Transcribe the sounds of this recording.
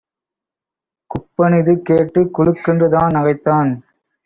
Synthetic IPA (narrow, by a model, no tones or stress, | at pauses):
kʊpːɐnɪðɯkeːʈːɯkːʊɻɯkːɪndrɯðaːnɐɣɐɪt̪ːaːn